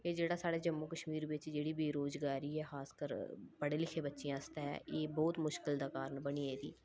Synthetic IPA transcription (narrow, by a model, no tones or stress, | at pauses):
eːd͡ʒeːɽaːsaːɽeːd͡ʒəmːuːkəʃmiːɾʋɪt͡ʃd͡ʒeːɽiːbiːɾoːzɡaːɾiːɛːxaːskəɾpəɽeːlɪkʰeːbətːʃijãːəst̪aɛ̰ːʔeːbɔːt̪mʊʃkɪld̪aːkaːɾəɳbəniːed̪ḭː